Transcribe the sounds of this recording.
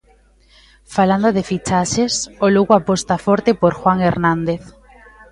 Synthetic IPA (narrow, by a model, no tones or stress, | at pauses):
faland̪oðefit͡ʃaʃesoluɣwapost̪afoɾt̪epoɾxwaŋeɾnãnd̪eθ